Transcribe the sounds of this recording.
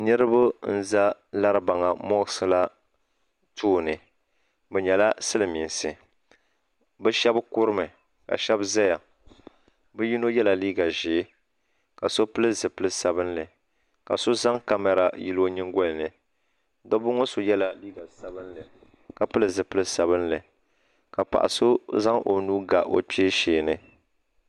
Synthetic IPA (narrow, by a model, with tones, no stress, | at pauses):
nɨ˦ɾɨ˦bʊ˦n̩˦za˦la˦ɾɨ˦ba˨ŋa˨mɔ˦ɣɨ˦sɨ˨la˦ | tʰuː˦˨nɨ˨ | bɛ˨ɲɛ˨la˦sɨ˦lɨ˨mi˨nsɨ˨ | bɛ˦ʃɛ˦bkʊ˦ɾɨ˦mɨ˨ | ka̰˨ʃɛ˦bza˦ja˨ | bɨ˦ji˦no˦jɛ˦la˨liː˦ɡa˨ʒɪ˨˦ | ka˨so˦pɨ˦lɨ˦zɨ˨pɨ˦lɨ˦sa˨bɨ˦nlɨ˨ | ka̰˨so˦za˦ŋka˦ma˨ɾa˨ji˦lo˦ɲi˦ŋɡɔ˦lɨ˨nɨ˨ | dɔ˦bʊ˦ŋɔ˦so˨jɛ˦la˨liː˦ɡa˨sa˨bɨ˦n˦lɨ˨ | ka˨pɨ˦lɨ˨zɨ˨pɨ˦lɨ˦sa˨βɨ˦nlɨ˨ | ka˨pa̰˨ʔa̰˨so˦za˦ŋʔo̰˨nuː˦ɡa˨ʔo̰˨peː˦ʃeː˨nɨ˦